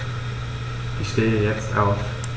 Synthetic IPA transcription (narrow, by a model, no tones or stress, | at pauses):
ʔɪçʃteːəjɛt͡staʊf